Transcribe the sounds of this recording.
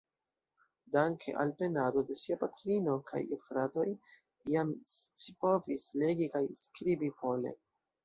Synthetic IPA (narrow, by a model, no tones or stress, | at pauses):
daŋkʰe̞̰ʔa̰lpe̞nado̞de̞siapatɾinokʰa̰jefɾato̞j | iamst͡ʃipo̞visle̞ɡikajskɾibipo̞le̞̰